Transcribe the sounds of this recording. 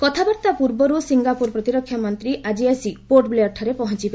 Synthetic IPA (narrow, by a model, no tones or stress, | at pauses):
kɔt̪ʰabɔɾt̪apuɾbɔɾusiŋɡapuɾpɾɔt̪iɾɔkʰjɔmɔnt̪ɾiʔad͡ʒiasipoʈbleɔʈʰaɾepɔɦɔnt͡ʃiba